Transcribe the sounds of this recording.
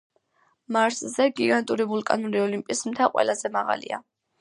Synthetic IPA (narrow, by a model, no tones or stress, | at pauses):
maɾszɛɡiɡant̪ʼuɾibulˠkʼanuɾiɔlimpʼismt̪ʰaqʼwɛ̰lazɛmaʁa̰lḭa̰